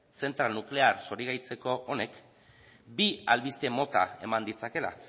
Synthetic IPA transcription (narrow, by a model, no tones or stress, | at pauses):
se̞nt̪ɾalnukle̞aɾso̞ɾiɣajt͡se̞ko̞ʔone̞k | bialβist̪e̞mo̞t̪a̰e̞mand̪it͡sake̞la̰